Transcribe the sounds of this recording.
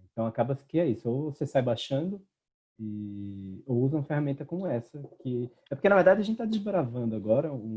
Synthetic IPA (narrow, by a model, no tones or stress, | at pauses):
ẽnt̪ɐ̃w̃akabɐskɪɛisʊowvosesajbaʃɐ̃nd̪ʊ | ɪ | owuzɐũɐfehamẽnt̪ɐkõmʊɛsɐkɪ | ɛpoɾkenɐveɾd̪ad͡ʒɪɐʒẽt̪t͡ʃɪt̪ad͡ʒɪzbɾavɐ̃nd̪ʊaɡɔɾɐũũ